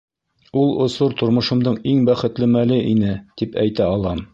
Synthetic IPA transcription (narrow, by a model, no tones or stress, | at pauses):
ulˠŏsuɾt̪ŏɾmŏʃɤ̆md̪ɤɴiŋbæχɘ̆t̪lɘmælɘʔinɘt̪ipæ̰jt̪æɒlˠɑm